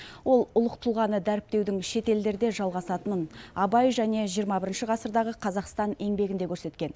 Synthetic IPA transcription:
wo̞lˠʊlˠəq̚t̪ʰulˠʁɑnəd̪æɾɪp̚t̪e̞wd̪ɪŋʃe̞t̪e̞ld̪e̞ɾd̪e̞ʒɑlˠʁɑsɑt̪ənənɑbɑjʒæne̞ʒijəɾmɑbɪɾɪnʃɪʁɑsəɾd̪ɑʁəqʰɑzɑqst̪ɑne̞ŋbe̞ɡʲɪnd̪e̞kʰʲɵɾse̞t̪kʲe̞n

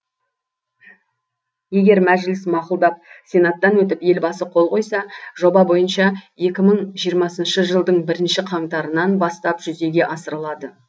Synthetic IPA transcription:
je̞ɡʲe̞ɾmæʒɪlɪsmɑqʊlˠd̪ɑp̚sʲe̞nat̪ːɑnwɵt̪ɪpje̞lbɑsəqʰo̞lˠqʰo̞jsɑʒ̥o̞bɑbo̞jənʃɑje̞kʲɪməɴʒijəɾmɑsənʃəʒəlˠd̪əɴbɪɾɪnʃɪqʰɑɴt̪ɑɾənɑnbɑst̪ɑpʒ̥ʏze̞ɡʲe̞ʔɑsəɾəlˠɑd̪ə

